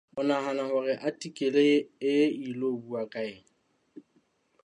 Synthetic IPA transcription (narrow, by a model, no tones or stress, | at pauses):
ʊnaɦanahaɣɛʔatʼikʼɪleɪilobuakʼaɪːŋ̩